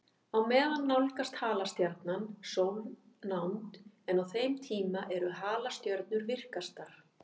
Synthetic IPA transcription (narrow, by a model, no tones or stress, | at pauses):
awmɛːðanːawlkast̪haːlast̪jaɾt̪nansovn | nawnt̪ɛnawθejmt̪ʰiːmaʔɛɾʏɦaːlast̪jœɾt̪̚nʏɾvɪr̥kast̪aɾ̥